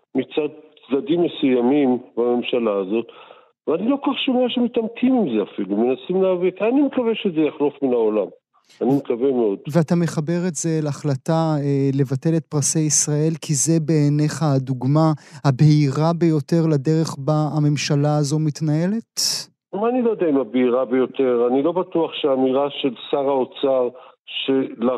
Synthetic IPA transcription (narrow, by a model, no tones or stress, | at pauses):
mit͡sad̪̚ | dad̪imːesujamimbame̞mʃalaːzo̞t | veanilo̞kaχʃomeaʃemit̪amkʰimimzeafilume̞nasimleavitanimekaveʃezejaχlo̞fminaolam | animekavemeo̞d̥̪veatame̞χabe̞ʁetz̥elaχlataele̞vate̞le̞t̪̚pʁasejisʁae̞lkʰize̞be̞ːne̞χaduɡmahabeiʁabejo̞te̞ʁlade̞ʁe̞χbaame̞mʃalaːzo̞mitnae̞le̞t | maanilod̪aimabeiʁabejo̞te̞ʁanilo̞bat̪uaχʃeamiʁaʃe̞lsaʁaot͡saʁʃela